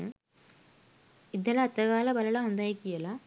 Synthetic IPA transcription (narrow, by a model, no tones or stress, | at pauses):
id̪ːɐlɐɐt̪ːɐɣaːlɐbɐlɐlaund̪aːjikːijɐlɐ